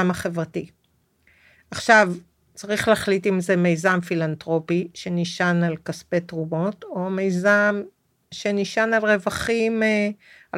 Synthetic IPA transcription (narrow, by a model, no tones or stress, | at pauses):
amaχe̞vʁati | aχʃav | t͡saʁiχleaχlitimze̞me̞jzamfilantʁo̞piʃe̞niʃanalkaspetʁumo̞to̞me̞jzam | ʃe̞niʃanalʁe̞vaχime | a